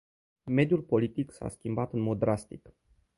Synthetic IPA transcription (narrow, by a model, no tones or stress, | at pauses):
me̞d̪julpo̞lit̪iksa̰skʲimbat̪ɨnmo̞d̪ːɾast̪ik